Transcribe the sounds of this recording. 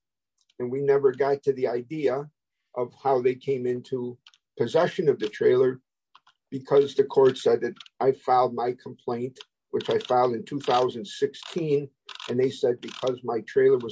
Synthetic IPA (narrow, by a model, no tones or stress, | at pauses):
ɨ̃nwinɛvə˞ɡɑtʰɨðiaɪdiɨ | ʔʌv̥haʊðeɪkʰẽɪ̃mɪ̃ntʰu | pʰɨzɛʃɨ̃nʌvðɨtʰɹ̥eɪlˠə˞ | b̥ɨkʰʌzðɨkʰɔɹtsɛd̪̚ðɨɾʔaɪfaʊlˠd̚maɪkʰəm̩pʰl̥ẽɪ̃nt | wɨt͡ʃaɪfaɪlˠdɨ̃ntʰuθaʊzɨ̃n̩̥sɪkstʰĩn | ɨ̃nðeɪsɛd̚bɨkʰʌzmaɪtʰɹ̥eɪlˠə˞wʌ